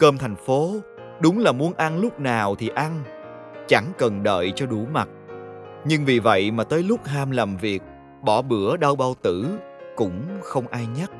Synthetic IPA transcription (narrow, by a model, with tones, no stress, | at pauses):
kəː˧mt̪ʰa˨˩jŋ̟fo˨˦ | ɗʊ˨˦ŋ͡mlaː˨˩mu˨˦ənʔa˧nlʊ˦˥k͡p̚naː˨˩wt̪ʰi˨˩ʔa˧n | t͡ɕa˧˩ŋkə˨˩nɗə̰ː˧˨jt͡ɕɔ˧ɗu˧˩˦ma˨˩t̚ | ɲɨ˧ŋvi˨˩və̰˧˨jmaː˨˩t̪əː˨˦jlʊ˦˥k͡p̚ɦaː˧mlaː˨˩mvi˨˩ək̚ | ɓɔ˧˩ɓɨ˧˩˦əɗa˧wɓa˧wt̪ɨ˧˩ | kʊ̰˧˥ŋ͡mxə˧wŋ͡mʔaː˧jɲa˦˥t̚